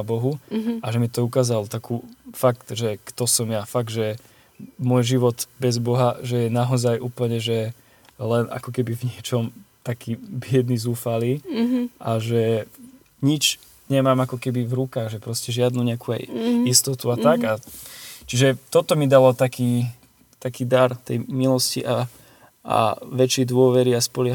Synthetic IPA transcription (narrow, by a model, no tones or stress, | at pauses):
bɔɦuaʒɛmit̪ɔukaːzalɔt̪akʰuːfakt̪ʒɛkt̪ɔsɔmjafaɡ̚d̪ʒɛ | mʊɔjʒiʋɔt̪bɛzbɔɦaʒɛjɛnaɔzajʔuːpl̩ɲɛʒɛ | lɛna̰kɔkɛbivɲɪɛt͡ʃɔmt̪akʰiːbɪɛd̪nizuːfaliːʔaʒɛ | ɲit͡ʃ | ɲɛmaːmakɔkɛbivɾukaːɣʒɛpɾɔscɛʒɪad̪nuɲɛakuːa̰jist̪ɔt̪uat̪aɡa | t͡ʃiʒɛt̪ɔt̪ɔmid̪alɔt̪akiː | t̪akiːd̪aɾt̪ɛjmilɔscḭʔa | ʔa̰ʋɛt͡ʃɛjd̪ʊɔʋɛɾiaspɔlɪa